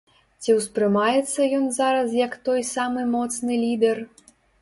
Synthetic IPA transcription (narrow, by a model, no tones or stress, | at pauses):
t͡sʲiwspɾɨmajɛt̪sːɐjɔnzaɾɐs̬jɐkt̪ɔjsamɨmɔt̪snɨlʲid̪ɛr